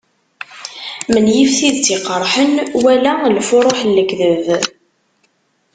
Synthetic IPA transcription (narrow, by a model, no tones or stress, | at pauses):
mənjifθiðt͡siqːəɾˤħənwælælfʊɾˤoħlːəkðəv